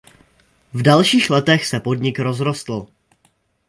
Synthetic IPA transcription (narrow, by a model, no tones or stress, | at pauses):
vdalʃiːxlɛt̪ɛxsɛpo̞dɲɪkɾo̞zɾo̞st̪l̩